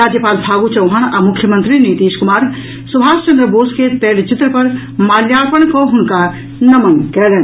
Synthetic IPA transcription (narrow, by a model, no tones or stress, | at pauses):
aːd͡ʒjəpaːlpʰaːɡut͡ʃɐwɦañamʊkʰjəmənt̪ɾinit̪iːʃkumaːɾ | subʱaːst͡ʃɐnd̪ɾəboːsket̪ɛːɽt͡ʃit̪ɾəpɐɾ | maːljaːɾpəɳ̃kɔɦʊnka | nɐmənkɛlɛːn